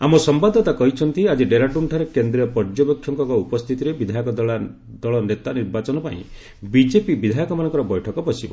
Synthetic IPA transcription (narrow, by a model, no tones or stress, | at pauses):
amɔsɔmbad̪ʱɔt̪akɔɦit͡ʃʰɔnt̪iad͡ʒiɖeɾaʈuɳʈʰaɾekend̪ɾijɔpɔɾd͡ʒɔbɔkʰːjɔŋkɔkɔupɔst̪ʰit̪iɾebid̪ʱajɔkɔd̪ɔɭa | d̪ɔɭɔnet̪aniɾbat͡ʃɔnɔpa̰ḭ̃ | bid͡ʒepibid̪ʱajɔkɔmanɔ̃ŋkɔɾɔbɔjʈʰɔkɔbɔsibɔ